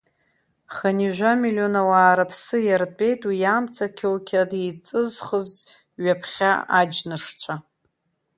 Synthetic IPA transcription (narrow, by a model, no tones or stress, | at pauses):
χaniʒᶣʷamilio̞nawaːɾapʰsɨjart͡pʼe̞jtʼwijaːmt͡sʰʼakʲʰawkʲʰadit͡sʼɨzχəz | ɥapʰχʲa̰ad͡ʒnɨʂt͡sʷʰa